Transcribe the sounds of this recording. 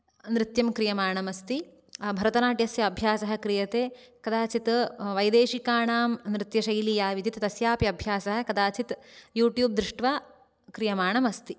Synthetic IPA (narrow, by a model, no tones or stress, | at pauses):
nɾɪt̪jɐmkɾijɐmaːɳɐmɐst̪i | bʱɐɾɐt̪ɐnaːʈjɐsjɐːbʱjaːsɐɦɐ̆kɾijɐt̪eːkɐd̪aːt͡ʃit̪ʋɐjd̪eːʃikaːɳaːmnɾɪt̪jɐʃɐjlijaːʋid̪it̪t̪ɐsjaːpjɐɐbʱjaːsɐɦɐ̆kɐd̪aːt͡ʃit̪juːʈjuːb̚d̪ɾɪʂʈʋaː | kɾijɐmaːɳɐmɐst̪i